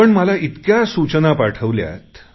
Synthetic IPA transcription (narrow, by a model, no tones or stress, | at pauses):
əɳməlait̪kjasut͡ɕənapaʈʰəʋlja̰t̪